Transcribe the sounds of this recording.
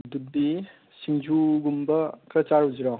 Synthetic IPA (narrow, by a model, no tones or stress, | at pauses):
dup̚di | siŋd͡ʒuɡumbɐkɾɐt͡ʃaɾɦuziɾɔ